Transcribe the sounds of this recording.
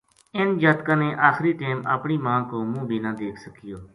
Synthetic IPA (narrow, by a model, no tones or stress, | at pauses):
ɪnd͡ʒaːt̪kãːneːʔaːxɾiːʈeːma̰ːpɳiːmãːkoːmũːbʱiːnãːd̪eːkʰsəkɪjoː